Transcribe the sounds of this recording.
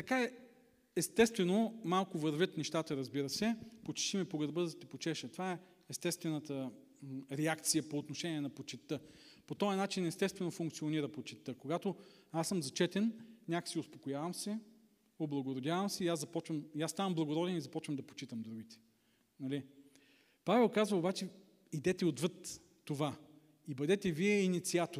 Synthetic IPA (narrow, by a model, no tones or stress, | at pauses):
t̪ɐkaɛ | ɛst̪ɛst̪vɛnomalˠkʊvɐɾvʲjət̪nɛʃt̪at̪əɾɐzbiɾəsɛpot͡ʃi̥ʃimɛpoɡɐɾbəzɐt̪ipot͡ʃɛʃət̪ovaɛ | ɛst̪ɛst̪vɛnət̪ə | ɾɛakt̪sijəpoːt̪noʃɛnʲiɛnɐpot͡ʃit̪ːɤpot̪ɔɐnat͡ʃinɛst̪ɛst̪vɛnofuŋkt̪sioniɾəpot͡ʃit̪ːɤkoɡat̪o | asːɤmzɐt͡ʃɛt̪ɛnnʲakə̥siospokojavɐmsɛ | oblˠɐɡoɾod̪ʲjavɐmsɛiazzɐpɔt͡ʃvɐmiast̪avɐmblˠɐɡoɾɔd̪ɛnizɐpɔt͡ʃvɐmd̪ɐpo̥t͡ʃit̪əmd̪ɾuɡ̟ʲit̪ɛ̥ | nɐli | pavɛlˠkazvɐobat͡ʃɛ | id̪ɛt̪ɛod̪vət̪ː | ova | ibɐd̪ɛt̪ɛviɛinit̪siat̪o